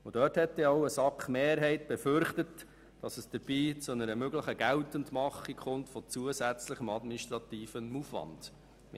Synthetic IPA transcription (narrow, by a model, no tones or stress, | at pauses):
ʊd̥œːthɛtːɛɔʊəsɑkχmeːɾɦɛɪt̚b̥ɛfʏɾχtət | d̥ɑsəsd̥əɾb̥iːt͡sʊnəɾəmøɡləχəɡ̥æltəndmɑχikχʊntfɔt͡suəzæt͡sləχəmɑdminiʃtɾɑt̪iːfənufʋɑ̰nd̥